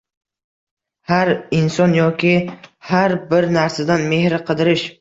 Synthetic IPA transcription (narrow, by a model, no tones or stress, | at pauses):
haɾɪnsɒnjɒkʲʰɪhaɾbɪɾnaɾsad̪anme̞hɾɪqʰɨd̪ɪɾɪʃ